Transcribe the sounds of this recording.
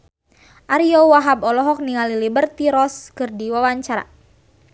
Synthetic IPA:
ʔaɾiɔwaɦabɔlɔɦɔk̚niŋalilibərt̪iɾɔskɨrdiwawaɲt͡ʃaɾa̰

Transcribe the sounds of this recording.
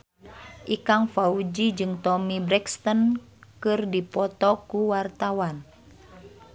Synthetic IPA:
ʔikaŋfaud͡ʒid͡ʒɨŋt̪ɔmibɾɛkst̪ən | kɨrdipɔt̪ɔkuwart̪awan

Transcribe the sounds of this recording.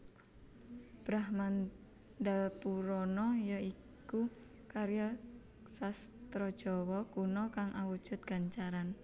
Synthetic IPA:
b̥ɾahman | d̪apuɾɔnɔjɔi | ku | kaɾja | sast̪ɾɔd̥ʒ̥ɔwɔkunɔkaŋʔawu̥ʒ̥ʊ̤t̪̚ɡ̥aɲt͡ʃaɾan

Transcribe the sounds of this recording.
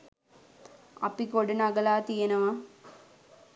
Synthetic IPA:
ɐ̰pːikoɽɨnɐɡɐlaːt̪ijɐnɐʋa

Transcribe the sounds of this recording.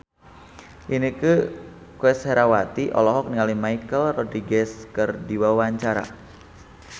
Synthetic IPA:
ʔiniku | kuɛsheɾawat̪iʔɔ̰lɔɦɔk̚niŋalimaikəlrɔd̪ɾiɡɛskərdiwawaɲt͡ʃaɾa̰

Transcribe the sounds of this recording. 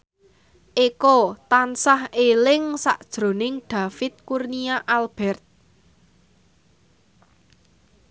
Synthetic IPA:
ʔikot̪ansahelɪŋsa̰ʔd̥ʒ̥ɾo̤nɪŋɖ̥ä̤fɪt̪̚kurniaʔalb̥ɛrt̪̚

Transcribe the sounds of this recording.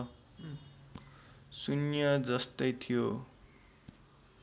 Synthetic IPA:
sunjʌd͡zʌst̪ʌjt̪ʰijo

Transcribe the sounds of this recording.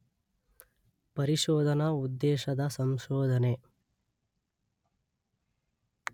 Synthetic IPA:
pɐɾiʃɔːd̪ʱɐnɐud̪ːeːʃɐd̪ɐsɐmʃɔːd̪ʱɐne

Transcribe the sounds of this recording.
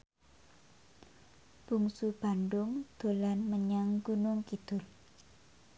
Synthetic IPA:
b̥uŋsub̥anɖʊŋd̪̥o̤lanməɲaŋɡunʊŋkid̪̥ʊl

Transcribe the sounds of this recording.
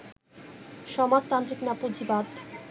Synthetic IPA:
ʃɔmad͡ʑt̪ant̪ɾiknapod͡ʑibad̪

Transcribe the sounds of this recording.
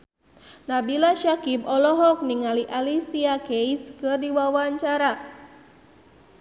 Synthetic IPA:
nabilaʃakibɔlɔɦɔk̚niŋaliʔalisiakeiskɨrdiwawaɲt͡ʃaɾa

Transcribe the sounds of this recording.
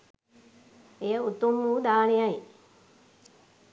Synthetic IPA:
ejəut̪umːuːd̪aːnejaj

